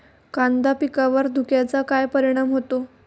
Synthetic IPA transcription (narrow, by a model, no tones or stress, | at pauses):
kand̪apikaʋəɾd̪ʱukjat͡sakajpəɾiɽ̃amɦot̪o